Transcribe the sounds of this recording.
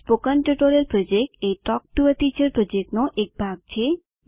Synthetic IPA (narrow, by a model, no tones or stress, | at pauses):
pokənʈəʈoɾeɾpɾɔd͡ʒek̚ʈeʈɔk̚ʈuət̪it͡ʃəɾpɾɔd͡ʒek̚ʈnɔʔek̚bʱaɡ̚t͡ɕʰe